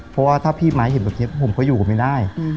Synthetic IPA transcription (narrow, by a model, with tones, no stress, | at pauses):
pʰɔ˦˥waː˥˩t̪ʰaː˥˩pʰiː˥˩maː˨˦jhe˨˧˦nbɛː˨˩pni˦˥˩pʰmkʰɔ˧˥˩juː˨˩ka˨˩ma˥˩daː˥˩j